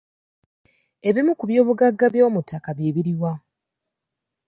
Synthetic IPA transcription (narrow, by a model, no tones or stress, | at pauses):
e̞βimukuβjo̞ːβuɡaɡːaβjo̞ːmutːakaβjeːβiɾiwa